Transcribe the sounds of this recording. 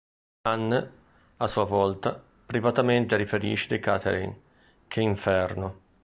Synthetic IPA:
anː | asuːavɔlt̪a | pɾivat̪ament̪eɾifeɾḭːʃed̪ekat̪ʰḛɾḭn | kʰeiɱfɛrno

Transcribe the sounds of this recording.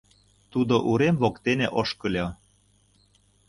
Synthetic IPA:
t̪ud̪oʔuɾemvokt̪eneʔoʃkɤ̆lʲo

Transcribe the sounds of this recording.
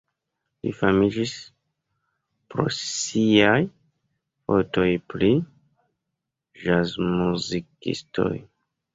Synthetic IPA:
lḭfamid͡ʒis | pɾo̞̰siaj | foto̞jpɾi | ʒazmuzikḭsto̞̰j

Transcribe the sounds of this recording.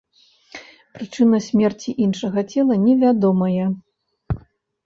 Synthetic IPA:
pɾɨt͡ʂɨnɐsʲmʲɛrt͡sʲiʔinʂɐɣɐt͡sʲɛlˠɐnʲɛvʲad̪ɔmɐjɛ

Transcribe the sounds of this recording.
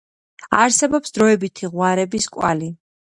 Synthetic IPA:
aɾsɛbɔpsd̪ɾɔɛbit̪ʰiʁwaɾɛbiskʼwa̰li

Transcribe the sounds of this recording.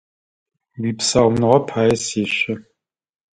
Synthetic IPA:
wiːpsaːwmnɨʁɐpʰaːjɛseːɕɐ

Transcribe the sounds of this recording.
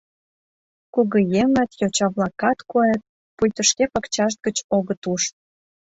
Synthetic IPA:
kuɣəjeŋɑt̪jot͡ɕɑβlɑkɑt̪koet̪̚ | pujʲt̪ə̆ʃkepəkt͡ɕɑʃ̬t̪̚ɡət͡ɕoɣət̪uʃ

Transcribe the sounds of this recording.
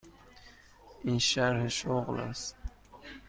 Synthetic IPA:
inʃaɾhʃoɣla̰s

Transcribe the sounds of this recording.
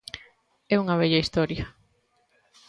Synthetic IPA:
ɛuŋɐβɛʎɐist̪ɔɾjɐ

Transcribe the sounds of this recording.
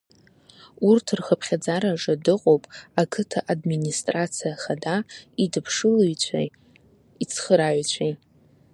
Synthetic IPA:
urtʰɨrχəpʰχʲad͡zaɾaʐadɨqʼowpʼakʰɨtʰaʔadministʼrat͡sʰijaχadaidɨpʰʂɨlujt͡ɕʷʰa̰ | it͡sʰχəɾaɥt͡ɕʷʰej

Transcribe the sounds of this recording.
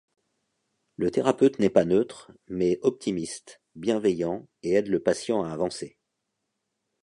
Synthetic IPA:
lət̪eʁapøt̪nɛpanøt̪χmɛɔp̚t̪ʰimist̪ | bjɛ̃vɛjɑ̃eɛd̪ləpasjɑ̃aːvɑ̃se

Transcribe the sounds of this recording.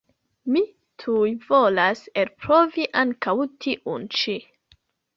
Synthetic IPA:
mi | tʰujvo̞laselpɾoviʔaŋkawtʰiʔunt͡ʃi

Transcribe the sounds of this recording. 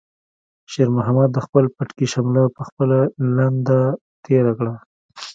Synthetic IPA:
ʃeɾmʊɦamad̪ːəxpəlpaʈkiʃamlapəxpəlaland̪a | t̪eɾakɽa

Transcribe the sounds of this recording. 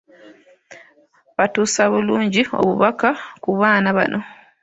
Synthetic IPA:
βatuːsaβuluːɲɟio̞̰βuβakakuβaːnaβa̰nʔo̞

